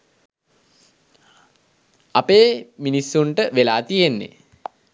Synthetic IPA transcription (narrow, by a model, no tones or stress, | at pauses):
apeːminisːuɳʈəʋelaːt̪ijenːḛ